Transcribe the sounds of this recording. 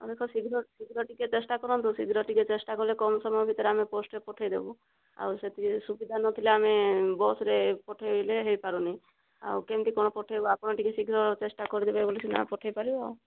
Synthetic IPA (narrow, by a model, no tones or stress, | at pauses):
ɔ̰d̪ekʰɔsiɡʱɾɔsiɡʱɾɔʈiket͡ʃesʈakɔɾɔnt̪usiɡʱɾɔʈiket͡ʃesʈakɔlekɔnɔsɔmjbʱit̪ɔɾeameposʈɾepɔʈʰajd̪ebɔ | a̰wset̪ʰisubid̪ʱanɔt̪ʰileamebɔsɾepɔʈʰajleɦejpaɾunej | a̰wkemʈikɔñɔpɔʈʰajbɔapɔɳ̃ɔʈikesiɡʱɾɔt͡ʃesʈakɔɾid̪ebajbolit͡ʃʰina̰pɔʈʰajpaɾiba̰w